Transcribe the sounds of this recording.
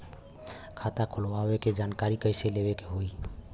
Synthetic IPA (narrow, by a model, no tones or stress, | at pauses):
kʰat̪akʰulwaweked͡ʒankaɾikəɪseleβekeɦoi